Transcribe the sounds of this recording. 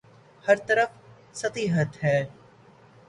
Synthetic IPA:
hɐɾt̪ɐɾəf | sɐt̪iːɦət̪ɦɛː

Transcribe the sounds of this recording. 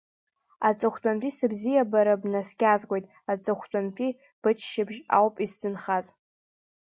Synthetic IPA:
at͡sʼɨχʷt͡pʷʼamtʷʼisɨbzijabaɾabnaskʲʼazkʷʼojtʼ | at͡sʼɨχʷt͡pʷʼamt͡pʷʼi | b̥ɨt͡ʃʰʃɪbʒa̰wpʼizzɨnχaz

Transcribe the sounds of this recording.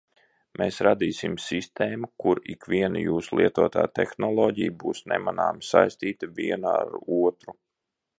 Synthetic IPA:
mʔeːsɾad̪iːsimsist̪eːmukuɾikʋʲiɛnṵjuːsulˠiɛt̪uɔt̪a̰ːt̪exnɔlˠɔːɟijbuːsnɛmana̰ːmsajst̪iːt̪aviɛna̰ɾuɔt̪ɾu

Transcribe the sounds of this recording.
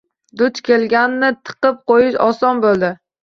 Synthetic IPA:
d̪ʊt͡ʃkʲʰe̞lɡʲannɪt̪ʰɨ̥qɨp̚qojɪʃɒsɒnbolˠd̪ɪ

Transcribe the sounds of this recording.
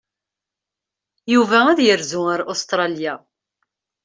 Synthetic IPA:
juvææðjəɾzuəɾʔost̪ɾˤɑlja

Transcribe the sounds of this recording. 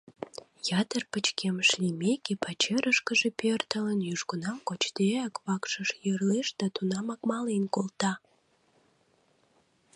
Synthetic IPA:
jɑt̪ərpət͡ɕkemʃlimekepɑt͡ɕeɾʔəʃkəʒepørt̪ələnjyʒɡənɑmkot͡ɕd̪eɑkβɑkʃəʃjərleʃd̪ɑt̪unɑmɑkmɑlenkolt̪ɑ

